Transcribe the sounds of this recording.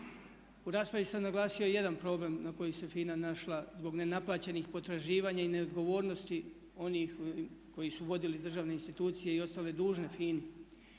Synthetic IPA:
uɾaːspɾaʋisamnaɡlˠaːsioje̞d̪anpɾo̞ble̞mnako̞jise̞fiːnanaʃlˠazbo̞ɡne̞naplˠaːt͡ɕe̞nixpo̞t̪ɾaʒiːʋaːɲaine̞o̞d̪ɡo̞ʋo̞ːɾno̞st̪i | o̞nixko̞jisuʋo̞d̪ilid̪r̩ʒaːʋne̞inst̪it̪uːt̪sijeio̞st̪aːle̞d̪uːʒne̞fiːni

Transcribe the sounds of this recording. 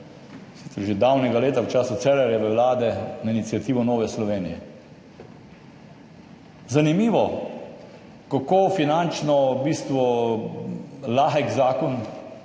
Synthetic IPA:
sit̪sɛɾʒed̪awnɛɡaleːt̪awt͡ʃaːsut̪sɛːlɛɾjɛʋəwlaːd̪ɛnainit̪sjat̪iːʋɔnɔːʋɛslɔʋeːnijɛ | zanimiːʋɔ | kakoːfinant͡ʃnɔbiːst̪ʋɔ | laːxɛɡzaːkɔn

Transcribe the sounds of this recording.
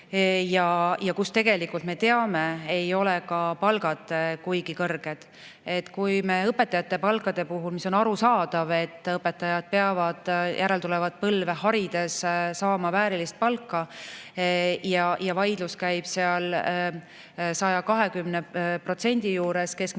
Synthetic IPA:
jɑjɑkust̪e̞ɡ̥e̞likult̪me̞t̪e̞ɑme̞ejo̞lekɑpɑlɡ̥ɑd̪̥kujɡikɤrɡ̥e̞d̪̥ | e̞t̪ːkujmeɤpːˑe̞t̪ːˑɑjɑt̪ːˑe̞pɑlkˑɑd̪̥e̞puɦulmiso̞nɑɾusɑːd̪̥ɑve̞t̪ːɤpːˑet̪ːˑɑjɑd̪̥̚peɑvɑd̪̥jʔæɾelt̪ulevɑd̪̥̚pɤlve̞ɦɑɾid̪̥e̞ssɑːmɑvæːɾilist̪̚pɑlkːɑ | jɑjɑvɑjd̪luskæjb̥seɑl | sɑjɑkɑɦe̞kymnepro̞t̪se̞nʲd̪̥ijuːɾe̞ske̞sk

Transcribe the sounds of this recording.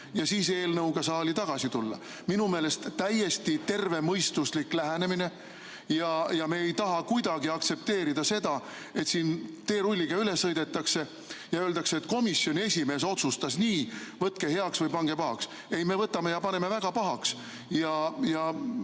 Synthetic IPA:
jɑsiːse̞ːlnɤwɡ̥ɑsɑːlit̪ɑɡ̥ɑsit̪ulːɑ̰ | minume̞ːle̞st̪t̪ːæjːe̞st̪it̪e̞rve̞mɤjst̪usliklæɦæne̞mine̞ | jɑjɑme̞ːejt̪ɑɦɑkujd̪̥ɑɡiɑk̚t̪se̞p̚t̪e̞ːɾid̪̥ɑse̞d̪̥ɑ | e̞t̪siːnt̪e̞ːɾulʲːiɡ̥ɑyle̞sːɤjd̪̥e̞t̪ːˑɑkse̞ | jɑøːld̪ɑkseet̪ːˑko̞misːjo̞nʲie̞sʲime̞ːs̬o̞t̪sust̪ɑsniːvɤt̪ke̞ɦe̞ɑksvɤjpɑŋɡ̥e̞pɑɦɑks | e̞jme̞vɤt̪ːˑɑmejɑpɑne̞me̞væɡ̥ɑpɑɦɑks | jɑjɑ

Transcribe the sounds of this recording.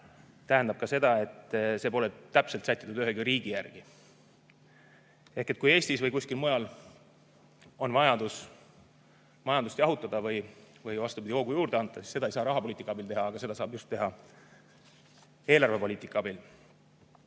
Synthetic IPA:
t̪æɦend̪ɑb̥̚kɑse̞d̪̥ɑe̞t̪ːˑse̞ːpo̞le̞t̪æpselt̪sæt̪ːˑi̥t̪ːˑud̪yɦeɡyɾiːɡ̥ijærɡ̥i | e̞hke̞t̪̚kuje̞ːst̪isvɤjkusʲkilmojɑl | o̞nvɑjɑd̪̥us | mɑjɑnd̪ust̪jɑɦut̪ːˑɑd̪̥ɑvɯjvɯjvɑst̪ubid̪̥ʲio̞ɡ̥ujuːɾd̪̥eɑnt̪ːˑɑsi̥sːe̥ɑejsɑːɾɑɦɑpoliːt̪ikːˑɑɑbilt̪e̞ɦɑɑɡ̥ɑse̞d̪ɑsɑːb̥just̪ːe̞ɦɑ | e̞ːlɑrve̞po̞liːt̪ːˑikːˑɑɑbil

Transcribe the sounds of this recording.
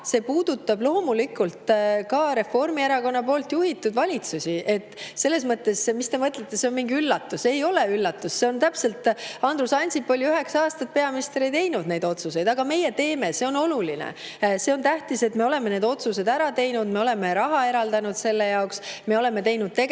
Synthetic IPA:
se̞puːd̪̥ut̪ːˑɑblo̞hmulikult̪kɑɾe̞fo̞rmieɾɑko̞nːɑpo̞ːlt̪juɦit̪ːˑud̪vɑlʲit̪susʲiʔe̞t̪ːˑse̞lːe̞s̬mɤt̪ˑːe̞semist̪e̞mɤt̪let̪ːe̞se̞onmiŋɡiylːɑt̪ːuse̞jo̞le̞ylːɑt̪ːˑusse̞o̞nt̪æpse̞lt̪ɑnd̪ɾusɑnʲsipːo̞liyɦe̞ksɑːst̪ɑt̪̚pe̞ɑminist̪eɾejt̪e̞jnud̪̚ne̞jd̪o̞t̪suse̞jd̪ɑɡɑme̞je̞t̪e̞ːme̞se̞o̞no̞lulinḛse̞o̞nt̪æht̪ise̞t̪me̞o̞le̞mene̞ːd̪o̞t̪suse̞d̪æɾɑt̪e̞jnud̪me̞o̞le̞me̞ɾɑɦɑe̞ɾɑld̪̥ɑnud̪̥se̞lːejɑoksme̞o̞le̞me̞t̪e̞jnud̪̥̚t̪eɡ

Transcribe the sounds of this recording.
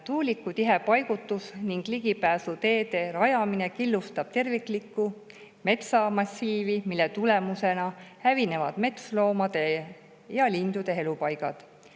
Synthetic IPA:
t̪uːlikːˑut̪iɦe̞pɑjɡ̥ut̪ːˑusniŋɡ̥liɡ̥ipæːsut̪e̞ːd̪e̞ɾɑjɑmine̞kilːust̪ɑb̥̚t̪e̞rvikˑlikːˑu | me̞t̪sɑmɑsʲːiːvimilːet̪ule̞muse̞nɑhævine̞vɑd̪̥me̞t̪slo̞ːmɑd̪̥e̞ | jɑlind̪̥ud̪̥e̞ɦe̞lupɑjɡ̥ɑ̰d̪̥

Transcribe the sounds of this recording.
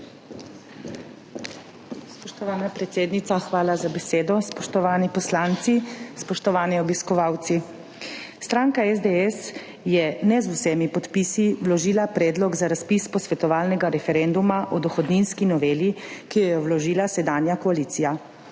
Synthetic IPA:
spɔʃt̪ɔʋaːnapɾɛt̪seːd̪nit̪axʋaːlazabɛseːd̪ɔspɔʃt̪ɔʋaːnipɔslaːnt̪sispɔʃt̪ɔʋaːniɔbiskɔʋaːwt̪si | st̪ɾaːŋkaɛzd̪eɛs | jɛnɛzusɛːmipɔt̪piːsiwlɔʒiːlapɾɛːd̪lɔɡzaɾaspispɔsʋɛt̪ɔʋaːlnɛɡaɾɛfɛɾɛnd̪umaʔɔd̪ɔxɔd̪ninskinɔʋeːlikijɛjɔwlɔʒiːlasɛd̪aːnjakɔaliːt̪sija

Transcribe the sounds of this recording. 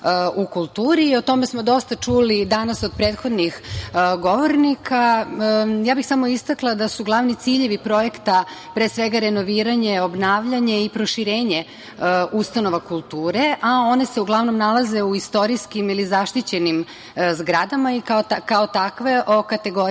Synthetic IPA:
ukulˠt̪uːɾio̞t̪o̞me̞smo̞d̪o̞st̪at͡ʃuːlid̪anaso̞d̪̚pɾet̪xo̞d̪nixɡo̞ʋo̞ɾnikʰa | jaːbixsamo̞ist̪aklˠad̪asuɡlˠaʋnit̪siʎeʋipɾo̞je̞kt̪apɾeːsʋeɡaɾeno̞ʋiːɾaɲeo̞bnaːʋʎaɲe̞ipɾo̞ʃiɾeːɲe̞ | ust̪ano̞ʋakulˠt̪uːɾe̞ʔao̞ne̞se̞uɡlˠaʋno̞mnalˠaze̞uist̪o̞ɾiskimilizaʃt̪it͡ɕe̞nim | zɡɾad̪amaikaoakaot̪akʋe̞ʔo̞kat̪eɡo

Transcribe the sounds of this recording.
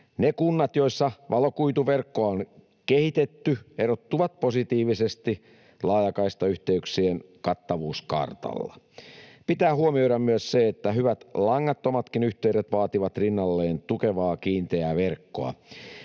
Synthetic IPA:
nekunːɑt̪jo̞isːɑʋɑlo̞kuit̪uʋerkːoɑon | kehit̪et̪ːyeɾot̪ːuʋɑt̪̚po̞sit̪iːʋisest̪i | lɑːjɑkɑist̪ɑyht̪eyksienkɑt̪ːɑʋuːskɑ̰rt̪ɑ̰lːɑ̰ | pit̪æːhuomio̞jɾɑmmyøsseet̪ːæɦyʋæt̪lɑŋːɑt̪ːomɑt̪kinyht̪eyɾet̪ʋɑːt̪iʋɑt̪rinːɑlːe̞ːnt̪ukeʋɑːkiːnt̪eæʋerkːo̞̰ɑ̰

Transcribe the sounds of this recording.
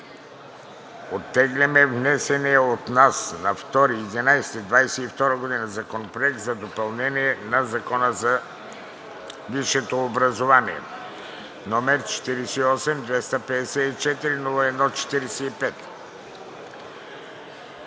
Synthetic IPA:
ot̪ːɛɡlʲɛmɛvnɛsɛniɛot̪nasnɐft̪ɔɾiːd̪inajsɛ̥t̪id̪vajsɛift̪ɔɾəɡod̪inəzɐkonopɾoɛk̚t̪zɐd̪opɐlˠnɛniɛnɐzɐkɔnəzɐ | viʃɛt̪oːbɾɐzovaniɛ̰ | nɔmɛɾt͡ʃɛ̥t̪iɾisɛiɔsɛmd̪vɛst̪ɐpɛd̪ɛsɛit͡ʃɛt̪iɾinulˠɐɛd̪nɔt͡ʃɛ̥t̪iɾɛsɛipɛt̪

